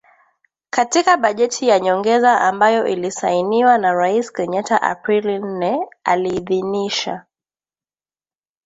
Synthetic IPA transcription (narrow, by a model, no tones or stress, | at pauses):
katikaɓaʄɛtʰijaɲɔŋɡɛzaʔambajɔʔilisainiwanaɾaiskɛɲataʔa̰pɾilin̩nɛaliːðiniʃa̰